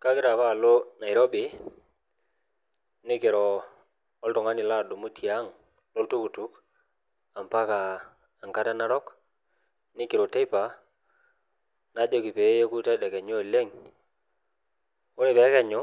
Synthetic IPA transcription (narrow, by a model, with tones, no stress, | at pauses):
ka˦kɪ˦ɾa˨βa˦˨lo˦na˨i˨ɾo˦bi˨ | nɪ˦kɪ˨ɾɔː˨˦ | ltɔ˨ŋa˦nɪ˨la˦˨du˨mu˦tʰi˨a˦ŋ | lo˦ltu˦ku˨tu˦k | a˨mpa˦kaː˨ | ŋka˦ta˦na˦ɾɔ˦k | nɪ˦kɪ˨ɾo˨te˦i˦pa˨ | na˨˦d͡ʒo˨ki˨pe˨˦je˦ku˦tɛ˦dɛ˨kɛ˨ɲo˦˨le˦ŋ | o˦ɾe˦˨bɛ˨˦kɛ˨ɲʊ˦